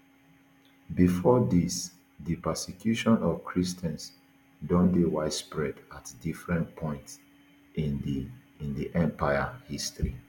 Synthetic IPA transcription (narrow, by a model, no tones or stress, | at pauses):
bifɔdis | dipɛsikʰjuʃɔ̃nɔvkʰɹistɛ̃ns | dɔ̃ndewaɪspɹɛdatdifɹɛ̃nt̚pʰɔ̃ɪ̃nts | n | ĩndiʔɛ̃mpʰaɪahistɹi